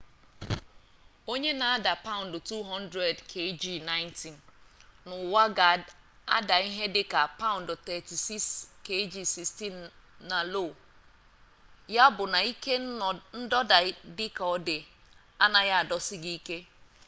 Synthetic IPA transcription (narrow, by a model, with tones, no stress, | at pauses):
o˦ɲe˦na˨a˦da˨pa˦ʊ̃˨n̩˨dʊ˨tu˦ɦɔ˦n˦dɾe˨dkʰe˦d͡ʒi˦na˦ɪ˦nti˨nnʊ˨wa˦ɡa˨ | a̰˦da˨i˦ɦe˦dɪ˦ka˨pa˦ʊ̃˨ndʊ˨tɛ˨ti˨si˦ske˦d͡ʒi˦si˨sti˦nna˨lo˦˨ | ja˦bʊ˨na˨i˦ke˦n̩˦dɔ˦da˨˦dɪ˦ka˨ɔ˨dɪ˨ | a˦na˨ja˦a˨dɔ˦sɪ˦ɡi˦i˦ke˦